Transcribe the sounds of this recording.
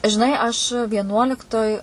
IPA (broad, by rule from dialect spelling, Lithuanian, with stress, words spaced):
ʒʲɪˈnɐɪ ɐʃ ʋʲiɛˈnuɔlʲɪktoːj